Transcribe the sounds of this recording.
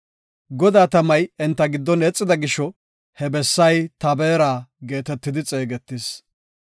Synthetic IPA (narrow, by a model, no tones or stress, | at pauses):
ɡɔd̪aːt̪ɐmɐjɛnt̪ːɐɡɪd̪ːɔnɛt͡sʼːɪd̪ɐɡɪʃɔ | hɛbɛsːɐjt̪ɐbeːɾaːɡe̞ːt̪ɛt̪ːɪd̪ɪt͡sʼeːɡɛt̪ːɪs